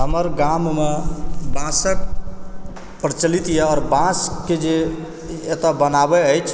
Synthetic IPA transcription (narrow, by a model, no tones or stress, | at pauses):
ɦəməɾɡammebãsək̚ | pəɾt͡ʃəlit̪jɛɔːɾbãsked͡ʒeː | t̪abənabɛəjt͡ʃʰ